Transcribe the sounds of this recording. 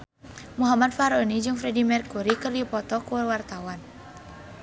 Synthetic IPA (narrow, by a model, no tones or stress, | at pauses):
muɦamat̪̚faɾɔnid͡ʒɨŋfɾɛdimɛrkuɾikɨrdipɔt̪ɔkuwart̪awan